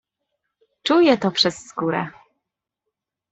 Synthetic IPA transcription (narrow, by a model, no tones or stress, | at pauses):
t͡ʂujɛt̪ɔpʂɛsːkuɾɛ̰